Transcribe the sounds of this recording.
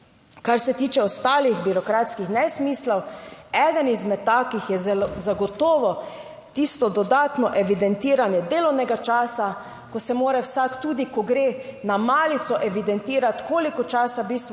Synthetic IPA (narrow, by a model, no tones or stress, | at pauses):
kaɾsɛt̪iːt͡ʃɛɔst̪aːlixbiɾɔkɾaːt̪skixnɛsmiːslawɛd̪ənizmɛt̪ːaːkixjɛzaɡɔt̪ɔːʋɔ | t̪ist̪ɔd̪ɔd̪aːt̪nɔʔɛʋid̪ɛnt̪iːɾanjɛd̪eːlɔwnɛɡat͡ʃaːsa | kɔsɛmoːɾɛwsakt̪uːd̪ikɔɡɾeːnamaːlit̪sɔʔɛʋid̪ɛnt̪iːɾat̪koːlikɔt͡ʃaːsabiːst̪ʋ